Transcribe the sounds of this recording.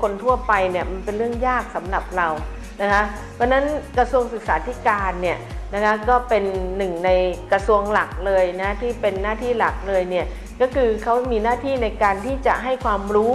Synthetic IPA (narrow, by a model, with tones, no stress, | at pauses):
kʰo˧nt̪ʰu˥˩ɐpa˧jni˥˩ɐma˧npe˧nɾɯ˥˩əŋjaː˥˩k̚sa˩˦mla˨˩p̚ɾa˧w | na˦˥kʰa˦˥ | pʰɔː˧˥na˦˥nkɾa˧su˧əŋsɯ˨˩k̚saː˩˦t̪ʰi˦˥˩kaː˧nːi˥˩ɐna˦˥kʰa˦˥kɔː˥˩pe˧nːɯ˨˩ŋna˧jka˧su˧əŋla˨˩k̚lɤː˧jna˦˥t̪ʰiː˥˩pe˧nːaː˥˩t̪ʰiː˥˩la˨˩k̚lɤː˧jni˥˩ə | kɔː˥˩kʰɯː˧kʰa˦˥wmiː˧naː˥˩t̪ʰiː˥˩na˧jkaː˧nt̪ʰiː˥˩t͡ɕa̰˨˩ʔɦa˥˩jkʰwaː˧mɾuː˦˥